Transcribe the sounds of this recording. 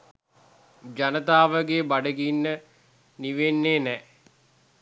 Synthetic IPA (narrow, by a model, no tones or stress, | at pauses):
d͡ʒanət̪aːʋəɡeːbaɖəɡinːə | niʋenːeːnɛ